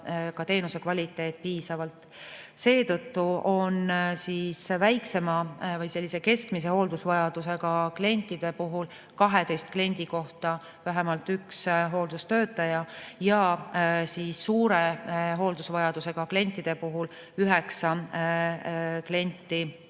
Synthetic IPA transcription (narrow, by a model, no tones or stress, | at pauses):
kɑt̪e̞ːnuse̞kvɑlʲit̪ːˑe̞ːt̪̚ːpiːsɑvɑlt̪ | se̞ːt̪ɤt̪ːuo̞nsiːsvæjkse̞mɑvɤjse̞lʲːise̞ke̞skmis̬e̞ho̞ːld̪̥usvɑjɑd̪̥use̞ɡ̥ɑkle̞nʲt̪ːˑid̪̥e̞puɦul | kɑɦe̞t̪e̞jst̪̚kle̞nʲd̪̥iko̞ht̪ɑ | væɦemɑlt̪yksɦo̞ːld̪̥ust̪øːt̪ːˑɑjɑjɑ | siːsːuːɾe̞ɦo̞ːld̪̥usvɑjɑd̪use̞ɡ̥ɑkle̞nʲt̪ːˑid̪̥e̞puɦul | yɦeksɑ | kle̞nʲt̪ːˑi